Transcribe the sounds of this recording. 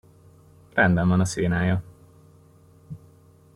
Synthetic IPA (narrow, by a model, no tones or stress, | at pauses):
rɛnd̪ɛɱvɒnɒseːnaːjɒ